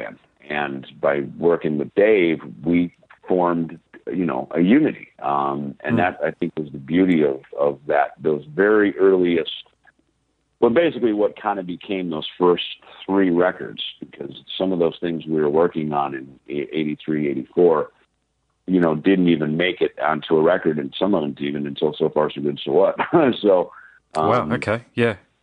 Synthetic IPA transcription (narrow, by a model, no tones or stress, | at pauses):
ɨ̰̃m | ɨ̃nbaɪwɜ˞kɪ̃ŋwɨðdeɪvwi | fɔɹmdjɨno̰ʊʔɨjʉnɨɾḭ̃mɨ̰̃nðɨɾaɪθɪ̃ŋkwʌzðɨbjʉɾiʌvʌvðɨt̪̚ðoʊzvɛɹiʔɜ˞lˠiɨs | wɛlˠbeɪsɨkliwʌt̚kʰãɪ̃ndɨbɨkʰẽɪ̃mðoʊz̥fɜ˞sθɹiɹɛkə̰˞dz̥b̥ɨkʰʌz̥sʌ̃mʌvðoʊz̥θɪ̃ŋzwiə˞wɜ˞kɪ̃ŋə̃nɨ̃nʔeɪɾiθɹieɪɾifɔɹ | jɨñoʊdɪdⁿn̩tivɨ̃nmeɪkɨɾɨ̃ntʰuəɹɛkə˞ɾɨ̃nsʌ̃mʌvɨ̃nzivɨ̃nɨ̃ntʰɪolˠsoʊfɑɹsoɡʊd̥soʊwʌt̚soʊ | ʔʌwãmokʰeɪjæ